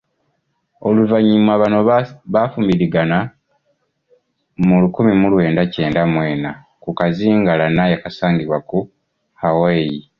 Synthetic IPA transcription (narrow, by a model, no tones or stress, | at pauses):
o̞luvaɲːimwaβano̞βafumbiɾiɡana | mulukumimulwe̞ːndace̞ːndamwe̞ːna | kukaziːŋɡalanajakasaːŋɡiβwaku | haweji